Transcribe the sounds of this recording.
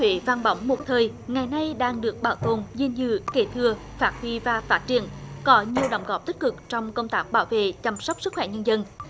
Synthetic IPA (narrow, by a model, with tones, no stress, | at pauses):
wḛ˧˨˦vaː˧˩nɓa˨˦wŋ͡mmo˨˩t̚t̪ʰəː˨˩j | ŋa˨˩jna˧jɗaː˧ŋɗɨ˨˩ək̚ɓaː˧˩wt̪o˨˩nzi˧nzɨ˧ke˧˩t̪ʰɨ˧˩ə | faː˦˥t̚hwi˧vaː˨˩faː˦˥t̚t͡ɕḭ˧˩˨ənkɔ˨˦ɲi˨˩əwɗə˨˦wŋ͡mɣɔ˧˩p̚t̪ï˦˥k̚kɨ˨˩k̚t͡ɕɔ˧wŋ͡mkə˧wŋ͡mt̪aː˦˥k̚ɓaː˧˩wvḛ˧˨t͡ɕa˧˩msa˦˥wk͡p̚sɨ˦˥k̚wɛ˧˩ɲə˧nzə˧n